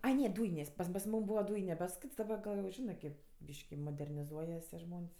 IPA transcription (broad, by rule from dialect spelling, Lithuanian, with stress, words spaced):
ˈɐɪ ˈnʲɛ ˈduːjɪnʲeːsʲ pɐm pɐs ˈmuːm ˈbuːʋɐ ˈduːjɪnʲɛ pɐs ˈkʲɪts dɐˈbɐ ɡɐlˠ jɛʊ ˈʒʲɪnɜ kʲeːp ˈbʲiːʃʲkʲɪ moːdʲɛrʲnʲɪˈzuɔjɛs tʲiɛ ˈʒmoːnʲsʲ